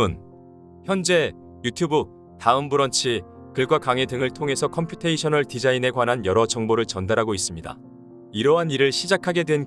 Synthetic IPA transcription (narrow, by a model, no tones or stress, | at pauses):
un | çjʌnd͡ʑe̞ | jutʰjubu | taɯmbuɾʌnt͡ɕʰi | kɯɭɡwakaŋe̞dɯŋɯɭtʰoŋɦe̞sʰʌkʰʌmpʰjutʰeiɕʰʌnɯɭtid͡ʑaine̞ɡwanɦanjʌɾʌt͡ɕʌŋboɾɯɭt͡ɕʌndaɾɦaɡois͈ɯmɲida̰ | iɾʌɦaniɾɯɭɕʰid͡ʑakʰaɡe̞dwe̞n